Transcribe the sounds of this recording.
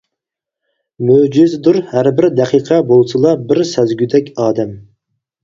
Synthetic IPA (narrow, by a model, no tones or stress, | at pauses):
mød͡ʒɪzd̪uɾhæɾbɪɾd̪ɛqʰiːqʰɑbolˠsɨlˠɑbɪɾsɛzɡʲyd̪ɛkʲɑːd̪ɛm